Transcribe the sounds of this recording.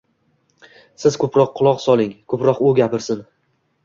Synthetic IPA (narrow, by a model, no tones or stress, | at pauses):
sɪz̥kʰɵpɾɒqʰːʊlˠɒqsɒlˠɪŋkʰɵpɾɒqʊɡʲapɪɾsɪn